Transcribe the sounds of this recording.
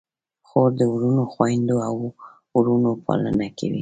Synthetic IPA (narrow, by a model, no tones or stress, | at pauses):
xoɾd̪əɾunoxwajnd̪oaw | uɾunopɑ̰lə̰nakʰa̰wḭ